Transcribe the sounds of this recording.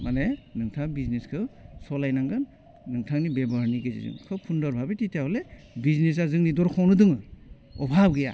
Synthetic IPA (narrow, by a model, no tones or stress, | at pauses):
manenɯŋtʰakbizneskʰɯwsɔlajnaŋɡɯnː | ɯŋtʰaŋnibebɔɾniɡezḭzɯ̰ŋkʰɯpʰundɔɾbʱabititʰjaɦɔle | biznes̬azɯŋnidɔɾkʰɔwnɯdɯŋɯ | ɔbʱabɡija̰